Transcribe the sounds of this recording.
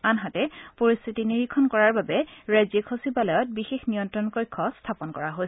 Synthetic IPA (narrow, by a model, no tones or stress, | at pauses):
anɦatɛpoɹist̪ʰitiniɹikʰɔnkɔɹaɹbabɛɹajzekʰosibalɔjɔt̚bixexnijɔntɹɔnkojkʰːɔstʰapɔnkɔɹaɦojs